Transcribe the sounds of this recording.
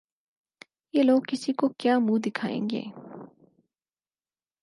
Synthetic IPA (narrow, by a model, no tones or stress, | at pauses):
jeːloːɡkːɪsikokjaːmud̪ɪkʰaːḛ̃ːŋɡḛː